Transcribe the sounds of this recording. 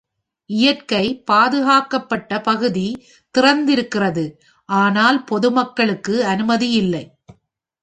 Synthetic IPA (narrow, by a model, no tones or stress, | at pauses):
ʔɪjɐrkɐɪpaːðɯɣaːkɐpːɐʈːɐpɐɣɯði | t̪ɪrɐnd̪ɪɾɯkːɪrɐðɯ | ʔaːnaːlpɔðɯmɐkːɐɭɯkːɯɐnɯmɐðijɪlːɐɪ